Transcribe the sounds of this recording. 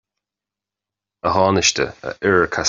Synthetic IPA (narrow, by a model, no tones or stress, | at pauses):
əɦɑːnɪʃtə̰ə̰ʔɪɹəkʰa